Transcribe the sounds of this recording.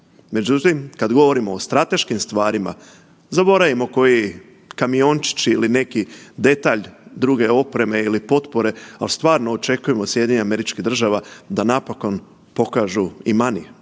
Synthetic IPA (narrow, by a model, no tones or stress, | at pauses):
me̞d͡ʑut̪imkad̪ɡo̞ʋo̞ɾimoːst̪ɾat̪e̞ʃkimst̪ʋaːɾima̰ | zabo̞ɾaʋimo̞ko̞ji | kamio̞nt͡ʃi̥t͡ɕiiline̞kid̪e̞t̪aːʎd̪ɾuːɡe̞o̞pɾe̞me̞ilipo̞t̪po̞ɾe̞a̰list̪ʋaːɾno̞ːt͡ʃe̞kuje̞mosjed̪ʲjeɲame̞ɾit͡ʃkiɣd̪r̩ʒaʋad̪anapoko̞n | po̞kaːʒuimanḭje